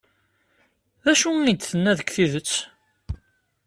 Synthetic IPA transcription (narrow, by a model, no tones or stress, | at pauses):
ðæʃuid̪θənːæðəkːθiðət͡sː